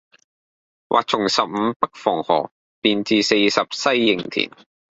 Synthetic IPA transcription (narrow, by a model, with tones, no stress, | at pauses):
wʔa̰ː˨k̚t͡sʰʊ˨˩ŋsɐ˨p̚m̩˨˧pɐ˥k̚fɔː˨˩ŋhɔ̰ː˨˩ | piː˨nt͡siː˨˧se˧jsɐ˨p̚sɐ˥jːɪ˨˩ŋt̪ʰḭː˨˩n